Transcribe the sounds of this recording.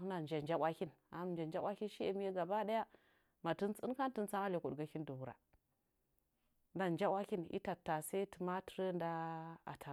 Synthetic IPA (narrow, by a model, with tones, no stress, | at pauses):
na˨n˨d͡ʒa˨n˨d͡ʒa˦ɓʷa˦kʲi˦na˨˦m˨d͡ʒa˨nd͡ʒa˦a˦ki˦ʃi˦e˨mi˦je˦ɡa˨ba˦da˦ja˦ | ma˨ti˦nt͡sə̰˦nka˦n˦tə˦nt͡sa˦ma˦le˨ku˨dɡa˨ki˦n˦du˨wu˨ɾa̰˨˦ | n˦da˦nd͡ʒa˦wʷa˦ki˦nḭ˦ta˨tːa˨sa˦tə˨ma˦ti̥˦ɾə˦nda˦a̰˨tʰa˨